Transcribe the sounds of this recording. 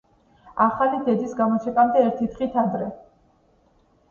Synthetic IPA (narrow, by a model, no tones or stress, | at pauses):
aχalid̪ɛd̪isɡamɔt͡ʃʰɛkʼamd̪ɛːɾt̪ʰit̪ʰχit̪ʰad̪ɾɛ